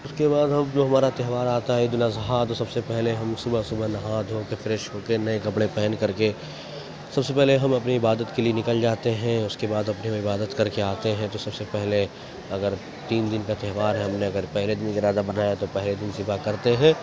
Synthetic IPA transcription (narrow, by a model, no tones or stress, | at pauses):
ʊskebaːd̪ɦɐmd͡ʒoɦɐmaːɾat̪ɛɦʋaːɾaːt̪aɦɛd̪ʊlazɦat̪osɐbsepɛɦleɦɐmsʊbəɦsʊbəɦnɐɦaːd̪ʱɦõkefɾeːʃɦoːkenɐekɐpɽepɛɦɛnkɐɾke | sɐbsepɛɦleɦɐmɐpniɪbaːd̪ət̪kelienɪkəld͡ʒaːt̪eɦɛ̃ʊskebaːd̪ɐpniɦɪbaːd̪ət̪kɐɾkeaːt̪eɦɛ̃t̪osɐbsepɛɦle | ɐɡəɾ | t̪iːnd̪ɪnkat̪ɛɦʋaːɾɦɛɦɐmneɐɡəɾpɛɦled̪ɪnkaɪɾaːd̪abɐnaːjat̪opɛɦled̪ɪnsɪfakɐɾt̪eɦɛ̃ː